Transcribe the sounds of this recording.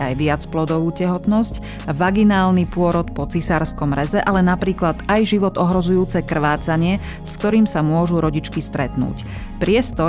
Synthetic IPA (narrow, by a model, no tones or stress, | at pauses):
ajʋɪat͡splɔd̪ɔʋuːcɛɦɔt̪nɔsc | ʋaɡinaːlnipʊɔɾɔt̪pɔt͡sisaɾskɔmɾɛzɛʔalɛnapɾiːklad̪ajʒiʋɔd̪ɔɦɾɔzujuːt͡sɛkr̩ʋaːt͡saɲɪɛ | skt̪ɔɾiːmsamʊɔʒuɾɔɟit͡ʃkist̪ɾɛt̪nṵːc | pɾɪɛst̪ɔ